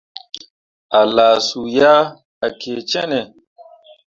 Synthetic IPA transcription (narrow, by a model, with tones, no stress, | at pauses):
a˨laː˨su˨ja˦ | a˨kʰe˨t͡ʃɛ˦nɛ˨